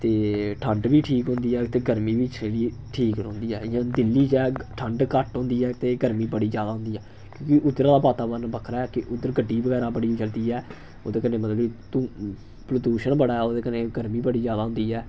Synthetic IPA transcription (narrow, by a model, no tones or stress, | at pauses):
t̪eːʈʰəɳɖbiːʈʰiːkɦʊ̃nd̪iːɛːt̪eːɡəɾmiːbiːt͡ʃʰneːliːʈʰiːkõːnd̪iːɛːɪjãːd̪ɪlːiːt͡ʃɛːʈʰəɳɖkəʈɦõːnd̪iːɛːt̪eːɡəɾmiːbəɽiːd͡ʒjaːd̪aːɦʊ̃nd̪iːɛː | kjõːkiʔʊd̪əɾãːd̪aːbaːt̪aːbəɾnbəkʰɾaɛːkɪʔʊd̪əɾɡəɖːiːbəɡɛːɾaːbəɽiːd͡ʒəld̪iːɛː | o̰ːd̪eːkəneːmət̪ləbiːt̪ũː | pləɖuːʃənbəɽaːɛːoːd̪eːkənẽːɡəɾmiːbəɽiːd͡ʒjaːd̪aːɦʊnd̪iːɛː